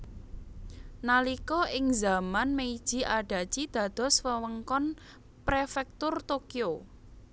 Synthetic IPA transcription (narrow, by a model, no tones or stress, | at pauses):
nalikɔʔɪŋzamanmeid̥ʒ̥i̤ʔaɖ̥a̤d̥ʒ̥id̪̥ä̤d̪̥ɔ̤swəwəŋkɔn | pɾefɛk̚t̪ʊrt̪okio